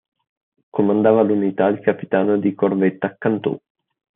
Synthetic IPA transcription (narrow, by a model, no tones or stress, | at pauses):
kʰomand̪aːvalunit̪ailkapi̥t̪aːnod̪ikorvet̪ːaːkːant̪ṵ